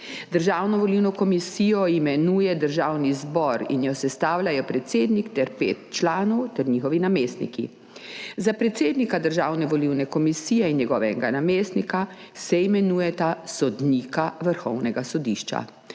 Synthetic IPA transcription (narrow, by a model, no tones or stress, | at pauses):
d̪əɾʒaːwnɔʋɔliwnɔkɔmisiːjɔimɛnuːjɛd̪əɾʒaːwnizbɔɾḭnjɔsɛst̪aːwlʲajɔpɾɛt̪seːd̪nikt̪ɛɾpḛːt̪̚t͡ʃlaːnɔwt̪ɛɾɲiːxɔʋinameːst̪nḭkḭ | zapɾɛt̪seːd̪nikad̪əɾʒaːwnɛʋɔliwnɛkɔmisiːjɛinjɛɡɔːʋɛɡanameːst̪nika | sɛimɛnuːjɛt̪asɔd̪niːkaʋəɾxɔwnɛɡasɔd̪iːʃt͡ʃa̰